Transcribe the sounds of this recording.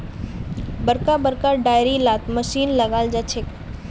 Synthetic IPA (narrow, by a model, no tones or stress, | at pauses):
bəɾkabəɾkaɖaːjɾilaːt̪məʃiːnlɐɡaːld͡ʒat͡ʃʰek